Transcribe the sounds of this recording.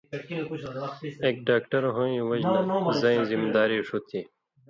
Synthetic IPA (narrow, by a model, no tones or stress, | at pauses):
eːk̚ɖaːk̚ʈɐɾɦõːĩːwɐd͡ʑzɐĩːzimid̪aːɾiʂut̪ʰi